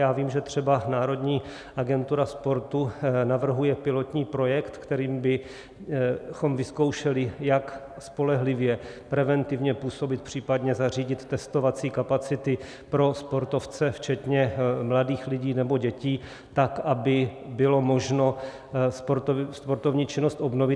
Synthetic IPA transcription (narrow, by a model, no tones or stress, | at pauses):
jaːviːmʒɛt̪r̝̥ɛbanaːɾo̞dɲiː | ʔaɡɛnt̪uɾaspo̞ɾt̪unavr̩ɦujɛpɪlo̞t̪ɲiːpɾo̞jɛkt̪kt̪ɛɾiːmbɪ | xo̞mvɪsko̞wʃɛlɪjak | spo̞lɛɦlɪvjɛpɾɛvɛnt̪ɪvɲɛpuːso̞bɪt̪pr̝̥iːpad̪ɲɛzariːɟɪt̪ːɛst̪o̞vat͡siːkapat͡sɪt̪ɪ | pɾo̞spo̞ɾt̪o̞ft͡sɛft͡ʃɛt̪ɲɛmladiːxlɪɟiːnɛbo̞ɟɛciː | t̪akʔabɪbɪlo̞mo̞ʒno̞ | spoɾspo̞ɾt̪ovɲiːt͡ʃɪnost̪ʔo̞bnovɪ